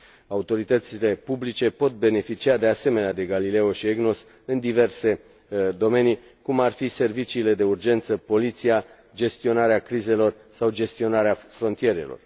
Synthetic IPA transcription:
aut̪o̞ɾit̪ət̪sile̞publit͡ʃe̞po̞t̪̚be̞ne̞fit͡ʃiad̪e̞ase̞me̞nead̪e̞ɡalile̞o̞ʃieɡno̞s | ɨnd̪ive̞rse̞ | d̪o̞me̞ni | kumarfise̞rvit͡ʃiːle̞d̪e̞urd͡ʒe̞nt̪səpo̞lit̪sija | d͡ʒe̞st̪io̞naɾeakɾize̞lo̞r | sawd͡ʒe̞st̪io̞naɾeafɾo̞nt̪ije̞ɾe̞̰lo̞̰r

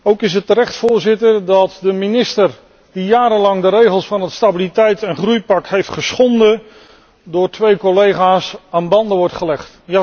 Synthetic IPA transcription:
owkɪsətːəɾɛχtfʊːɹzɪtərdɑtdəminɪstər | dijaːɾəlɑŋdəɾejχəlˠsfɑnɦətstabilitɛjtɛnχrujpɑkɦejftχəsχɔndə | dʊːɹtʋejkolejχaːsaːnbɑndəʋɔɹtχəlɛχt | ja

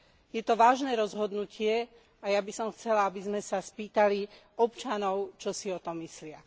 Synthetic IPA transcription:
jɛt̪ɔʋaːʒnɛːɾɔzɦɔd̪nucɪɛ | ajabisɔmxt͡sɛlaabizmɛsaspiːt̪ali | ɔpt͡ʃanɔʊt͡ʃɔsiɔt̪ɔmːislɪa

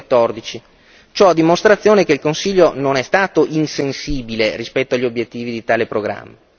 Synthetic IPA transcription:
t̪ːɔrd̪it͡ʃi | t͡ʃɔad̪imost̪ɾat̪sːjoːnekeilkonsiʎːononɛst̪aːt̪oʔinsensiːbilerispɛt̪ːoaʎːiobjet̪ːiːvid̪it̪aːlepɾoɡɾa̰mːa

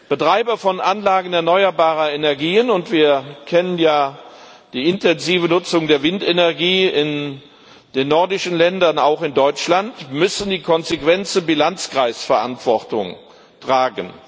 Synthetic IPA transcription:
b̥ətʁ̥aɪbɐfɔnʔanlaːɡən̩ɛɐnɔʏɐbaːʁɐenɛɐɡiːənʊntv̥iːɐkʰɛnənjaː | d̥iːɪntɛnziːvənʊt͡sʊŋdeːɐvɪntenɛɐɡiːɪn | d̥eːnːɔɐdɪʃənlɛndɐnaʊxɪndɔʏt͡ʃlantmʏsn̩diːkʰɔnzekv̥ɛnt͡səbilant͡skʁ̥aɪsfɛɐʔantv̥ɔʁtʊŋ | tʁ̥aːɡən

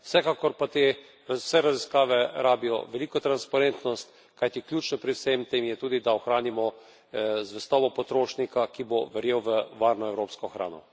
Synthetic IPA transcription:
wsɛkaːkɔɾpat̪e | wsɛɾaziskaːʋɛɾaːbijɔ̰ʋɛliːkɔt̪ɾanspaɾent̪nɔst̪ | kajt̪iklʲjuːt͡ʃnɔpɾiwsemt̪eːmjɛt̪uːd̪id̪aɔxɾaːnimɔ | zʋɛst̪ɔːbɔpɔt̪ɾoːʃnikakiboʋɛɾjewʋəʋaːɾnɔɛwɾoːpskɔxɾa̰ːnɔ̰

